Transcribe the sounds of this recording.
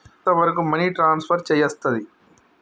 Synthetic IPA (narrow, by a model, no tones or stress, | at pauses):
t̪ɐʋɐɾɐk̬umɐniːʈɾaːnspʰɐɾt͡ʃɛjɐst̪ɐd̪i